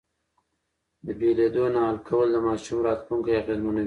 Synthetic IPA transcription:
d̪əbeled̪onaɦalkʰawəld̪əmɑʃumɾɑt̪luŋkajaqelmonawi

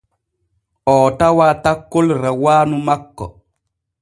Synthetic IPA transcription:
ɔːtawatakːolɾawaːnumakːɔ̰

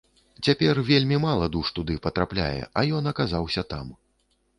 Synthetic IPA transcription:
t͡sʲapʲɛrvʲelʲmʲimalˠɐd̪uʂt̪ud̪ɨpɐt̪ɾaplʲa̰jɛ̰ʔɐjɔnɐkazawsʲɐt̪a̰m

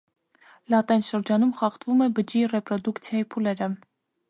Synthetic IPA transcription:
lɑt̪ɛjnʃəɾd͡ʒɑnumχɑχt̪vumɛbəd͡ʒirɛpɾɔd̪ukt͡sʰjɑjipʰulɛɾə

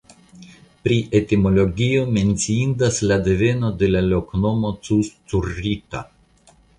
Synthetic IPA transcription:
pɾiʔet̪ʲimoloɡʲijomensiind̪aslad̪evenod̪elalʲoknomot̪t͡sust͡suɾit̪a̰

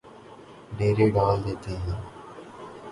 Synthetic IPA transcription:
ɖeːɾeːɖaːld̪eːt̪eːjãː

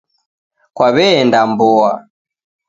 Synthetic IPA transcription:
kwaβɛːndambɔa

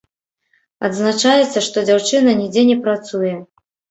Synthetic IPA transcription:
ɐd̪znat͡ʂajɛt̪sːɐʂt̪ɔd͡zʲawt͡ʂɨnɐnʲid͡zʲɛnʲɛpɾat̪sujɛ

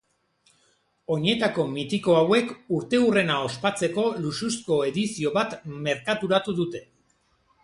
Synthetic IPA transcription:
o̞ɲe̞t̪ako̞mit̪iko̞awe̞kuɾt̪e̞ure̞nao̞spat͡se̞ko̞lususko̞e̞ðisio̞βat̪me̞ɾkat̪uɾat̪uðut̪e̞

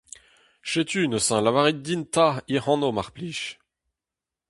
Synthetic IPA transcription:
ʃet̪ynəsɛ̃lavaʁid̪int̪aiʁɑ̃nomaʁpliʃ

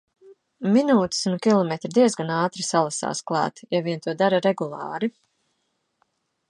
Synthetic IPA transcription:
minuːt̪ɪ̥sunkʲilˠɔmʲet̪ɾid̪iɛzɡanaːt̪ɾisalˠasa̰ːsklˠɑ̰ːt̪javiɛnt̪uɔd̪aɾaɾɛɡulˠɑ̰ːɾi

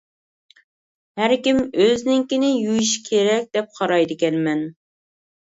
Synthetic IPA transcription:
hæɾkʲimøznɪŋkʲinɪjujiʃkʲʰeɾɛk̚ʲd̪̥ɛp̚qʰɑɾɑjd̪ɪkʲɛnmɛn

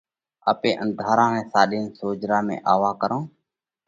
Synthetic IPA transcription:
a̰ːpeːʔənd̪ʱaːɾãːʋẽːsaːɗiːnsoːd͡ʒɾaːmḛ̃ːʔaːʋaːkəɾõː

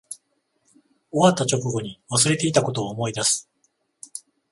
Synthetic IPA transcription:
o̞βat̪ːat͡ɕo̞kɯɡo̞ɲ̟iβasɨɾe̞t̪e̞it̪ako̞t̪o̞ːmo̞id̪asɨ̥

